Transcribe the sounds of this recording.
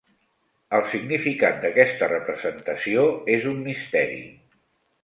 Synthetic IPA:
əlˠsiɡnifikat̪̚d̪əkɛst̪ərəpɾəzənt̪əsioezumːist̪ɛɾḭ

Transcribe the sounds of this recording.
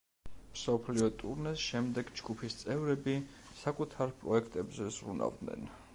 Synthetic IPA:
msɔpʰliɔt̪ʼṵɾnɛsʃɛmd̪ɛɡd͡ʒɡupʰist̪sʼɛvɾɛbi | sakʼut̪ʰaɾpʼɾɔɛkʰt̪ʼɛbzɛz̥ɾṵna̰vd̪nɛ̰n

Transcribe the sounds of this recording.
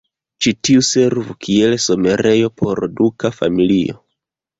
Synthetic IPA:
t͡ʃitiuse̞ɾvukʰie̞lso̞me̞ɾe̞jo̞pʰo̞ɾdukafa̰milio̞̰

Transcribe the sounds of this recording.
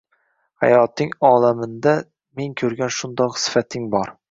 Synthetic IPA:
ha̰jɒt̪ʰɪŋɒlamɪnd̪a | meŋkʲʰɵɾɡʲanʃʊnd̪ɒqsɪ̥fat̪ʰɪŋbɒɾ

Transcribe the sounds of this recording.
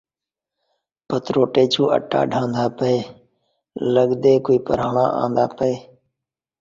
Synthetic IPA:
pət̪ɾoːʈeːt͡ʃʰũːʔə̰ʈʰːa̰ːɖʱãːnd̪aːpəeː | ləɠd̪eːkoːiːpəɾaːɳa̰ːʔã̰ːnd̪a̰ːpəeː

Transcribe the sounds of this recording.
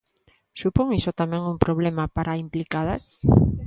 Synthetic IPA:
supoŋisot̪amɛ̃ŋumpɾoβlemapaɾaimplikaða̰s

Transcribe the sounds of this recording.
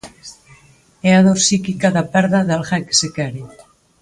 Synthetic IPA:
eaðoɾsikikaðapɛɾðaðalxake̥sekeɾi

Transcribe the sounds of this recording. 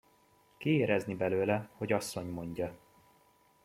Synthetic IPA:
kieːɾɛznibɛløːlɛho̞ɟɒsːo̞ɲmo̞ɲɟɒ

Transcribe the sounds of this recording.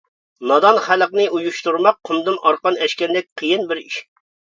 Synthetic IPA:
mɑd̪ɑnχæləqnɨʔujuʃt̪uɾmɑq̚ʰːʊmd̪ɨmʔɑɾqɑnɛʃkʲɛɾd̪ɪk̚ʲqʰəjinbɪɾiʃ

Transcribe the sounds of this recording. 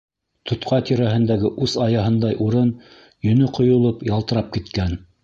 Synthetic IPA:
t̪ʰŏt̪qɑt̪iɾæɦɘ̆nd̪æɡɘʔʉsɑjɑɦɤ̆nd̪ɑjʔuɾɤn | jɵ̆nɵqŏjŏlˠɤpjɑlˠt̪ɤ̆ɾɑp̚kit̪kæn

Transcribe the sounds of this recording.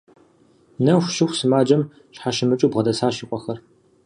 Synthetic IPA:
nɐxʷʃɪxʷsɨmaːd͡ʒɐm | ɕħaʃɪmɨt͡ʃʼuːbʁɐdɐsaːʃiqʷʼɔxɐr

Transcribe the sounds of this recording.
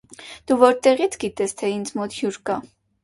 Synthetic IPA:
d̪̥uvɔɾt̪ɛʁit͡sʰɡit̪ɛst̪ʰɛind͡zmɔt̪hjuɾkɑ

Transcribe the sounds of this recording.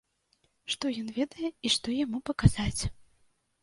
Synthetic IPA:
ʂt̪ɔjɔnvʲɛd̪ɐjɛiʂt̪ɔjamupɐkaz̥at͡sʲ

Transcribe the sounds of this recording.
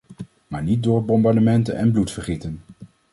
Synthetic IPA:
maːɹnit̚dʊːɹbɔmbɑɹdəmɛntə̰nɛ̰nblutfəɹχitən

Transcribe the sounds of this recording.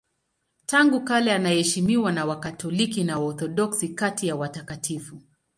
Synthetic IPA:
taŋɡukalɛanahɛʃimiwanawakatʰɔlikinawaɔθɔɗɔksikatijawatakatifu

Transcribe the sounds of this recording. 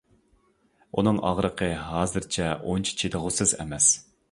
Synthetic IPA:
unɨŋɑ̰ʁɾəqʰəɦɑːzɨɾt͡ʃʰɛont͡ʃʰi̥t͡ʃʰet̪ʰəʁʊsɨzɛ̰mɛs

